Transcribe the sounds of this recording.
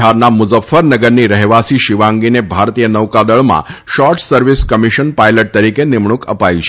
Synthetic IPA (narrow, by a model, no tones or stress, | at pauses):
aɾnamʊzəfːəɾnəɡəɾniɾəɦʋasiʃiʋãŋɡinebʱaɾt̪ijənəʋkad̪əɭmã̰ʃɔɾʈsəɾʋiskəmiʃənpajləʈ̚t̪əɾikenɪmɳ̃ukə̰pait͡ʃʰe